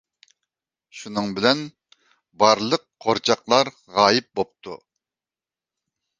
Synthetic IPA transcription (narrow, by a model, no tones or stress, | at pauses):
ʃunɨŋbɪlɛn | bɑɾlˠəqʰoɾt͡ʃʰɑqlˠɑɾ | ʁɑːjɪp̚bop̚t̪ʰṵ